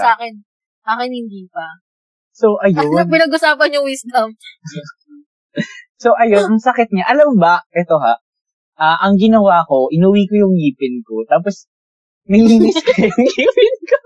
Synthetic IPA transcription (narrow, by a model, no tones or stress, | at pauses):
aːkɛn | ʔaːkɪnhɪnd̪iːpɐ | soʔɐjoɐpɪnɐɡʔʊsaːpɐnjʊŋwisd̪ɐm | soʔɐjonʔɐŋsɐkɪt̪̚ɲaʔɐlɐmbɐʔɛt̪o̞ɦa | ʔaʔɐŋɡɪnɐwaːko̞ʔɪnuwikojʊŋjiːpɪnkot̪aːp̬os | mɐjliːnɪskojjʊŋiːpɪnko